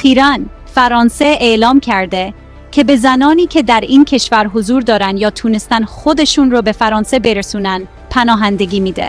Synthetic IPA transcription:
æxiːɾæn | fæɾɒːnseelɒːmcʰæɾd̪e | cʰe̞be̞zænɒːniːcʰe̞d̪æɾiːncʰe̞ʃvæɾɦozuːɾd̪ɒːɾænd̪jɒːt̪ʰuːne̞st̪ænxo̞d̪e̞ʃuːnrobe̞fæɾɒːnse̞be̞ɾesuːnænd̪ | pʰænɒːɦænd̪e̞ɡʲiːmiːd̪ḛ

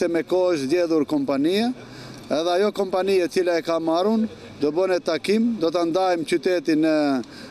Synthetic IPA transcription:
ɛmɛkɔʃzɟɛðuɾkɔmpanija | ɛðɛajɔkɔmpaniat͡silaɛkamarun | d̪ɔbənɛt̪akimd̪ɔt̪and̪ajmt͡ɕyt̪ɛt̪inə

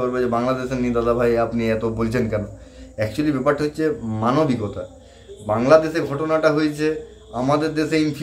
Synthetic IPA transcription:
ɔɾbed͡ʑebaŋlad̪eʃeɾnid̪ad̪abʱajapniɛt̪obolt͡ɕʰenkɛnoɛkt͡ɕualibɛpaɾʈːaɦotːɕʰemanobikɔt̪ʰa̰ | baŋlad̪eʃeɾɡʱɔʈonaʈaɦojt͡ɕʰe | amad̪eɾd̪eʃeinf

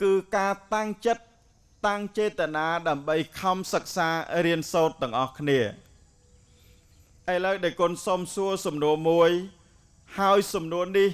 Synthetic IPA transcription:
kɨːkaːt̪aŋt͡ɕət̪̚ː | aŋt͡ɕeːt̪ːənaːɗaəmɓəjkʰɑmsək̚saːriənsoːt̪ːɛ̆əŋʔɑhkʰniə | ʔələwɗaɛlkŏənsomsuəlsɑmnuəmuəj | haəjsɑmnuənih

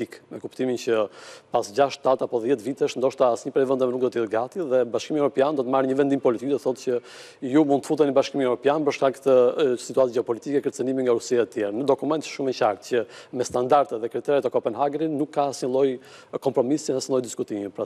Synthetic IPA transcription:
ikmɛkupt̪imincəpasd͡ʑaʃtt̪ːat̪apɔðjɛt̪vit̪ɛʃnd̪ɔʃt̪aasɲəpɾɛjvɛnd̪ɛmnuk̚d̪ɔt̪jɛɡat̪iðɛbaʃkimiɛvɾɔpjand̪ɔt̪əmaɾɲəvɛnd̪impɔlit̪ik̚d̪ɔt̪θɔt̪cə | jumund̪t̪əfut̪ɛnibaʃkimiɛvɾɔpjanpəɾʃkakt̪əsit̪uat̪d͡ʒɛɔpɔlit̪ikɛkəɾt͡sənimiŋɡaɾusiat̪ət̪jɛɾnəd̪ɔkumɛnt̪ə̥ʃumɛcakt̪cəmɛst̪and̪aɾt̪ɛt̪ðɛkɾit̪ɛɾɛt̪ɛkɔpɛnɦaɡɾinukʰːasinlˠɔj | kɔmpɾɔmisjɛnɛsinlˠɔjd̪iskut̪imipɾa

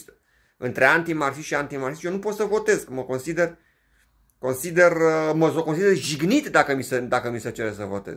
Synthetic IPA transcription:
t̪ | ɨ̰nt̪ɾe̞ant̪imarksisʃiant̪imarsisʃjeonupo̞t̪səvo̞t̪e̞skməko̞nsid̪e̞r | ko̞nsid̪e̞rəməsokonsid̪erʒiɡnit̪d̪akəmisəd̪akəmisət͡ʃe̞ɾesəvo̞̰t̪e̞̰z

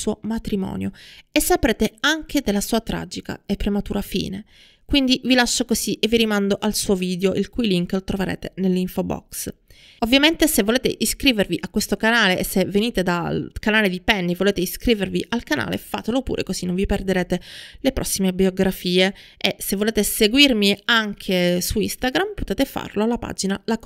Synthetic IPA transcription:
suomat̪ɾimɔ̰ːnjoesːapɾeːt̪eaŋk̟ʰed̪elːasuːat̪ɾa̰d͡ʒika̰epːɾemat̪uːɾafḭːne | kwind̪ivilaʃːokoziʔevːiɾimand̪oʔalsuːoviːd̪eoʔilkujliŋklot̪ɾoveɾḛːt̪enelːiɱfobɔ̰ks | ovːjament̪esevːoleːt̪ḛʔiskɾiːverviʔakːwest̪okanaːleʔesːevːeniːt̪ed̪alkanaːled̪ipɛnːivoleːt̪eiskɾiːverviʔalkana̰ːlḛfa̰ːt̪elopṵɾʔḛkozinːoɱviperd̪eɾeːt̪elepɾʔɔsːimebioɡɾafiːeesevːoleːt̪eseɡwirmiaŋkʰesuist̪aɡɾampot̪eːt̪efa̰rloalːapa̰ːd͡ʒinalak

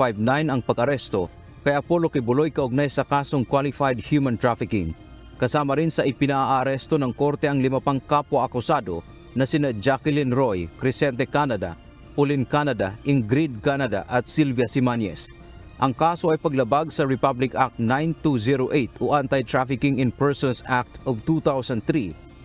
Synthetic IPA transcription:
fajvnajnɐŋpɐɡʔɐɾɛst̪o | kɐjapolokɪbʊlojkɐʔʊɡ̚najsɐkaːsoŋkwalɪfajd̪̚hjumant̪ɹafɪkɪŋ | kɐsaːmɐɾɪnsɐʔɪpɪnaʔaʔːɾɛst̪onɐŋko̞ɾt̪ɛɐŋlɪmapaŋkapaʔɐkʊsad̪o | nɐsɪnad͡ʒakɪlinɾojkɾɪsɛnt̪ɛkanɐd̪a̰ | pʊlɪnkanɐd̪aʔɪŋɡɾid̪̚kanad̪a̰ʔɐt̪̚silvjɐsɪmanjɛ̰s | ʔɐŋkaːso̞ʔɐjpɐɡlɐbaɡsɐɹɪpablɪkak̚t̪najnt̪uziɾoʔejt̪oʔant̪ajt̪ɹafɪkɪŋɪnpɛɹsɔnsak̚t̪ʔovt̪ut̪awsɐn̚θɾi

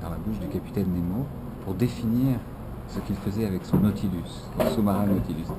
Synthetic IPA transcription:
d̪ɑ̃labuʃd̪ykapi̥t̪ɛnːemo | puʁd̪efiniʁ | səkʲilfəzɛavɛksɔ̃not̪ʰilys | sɔ̃somaʁɛ̃not̪ilys

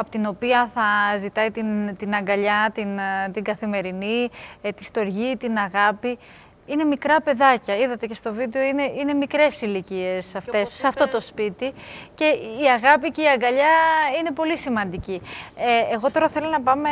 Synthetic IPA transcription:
ɐpo̥t̪ino̞piɐθɐzit̪ɐit̪int̪inɐŋɡɐʎɐt̪int̪iŋɡɐθime̞ɾinit̪ist̪o̞ɾʝit̪inɐɣɐpi | ine̞mikɾɐpe̞ðɐcɐiðɐt̪e̞ce̞st̪o̞vid̪e̞o̞ine̞ine̞mikɾe̞silicie̞sɐft̪e̞sːeɐft̪o̞t̪o̞spit̪ice̞iɐɣɐpice̞iɐŋɡɐʎɐine̞po̞lisimɐnd̪ici | eɣo̞t̪o̞ɾɐθe̞lonɐpɐme

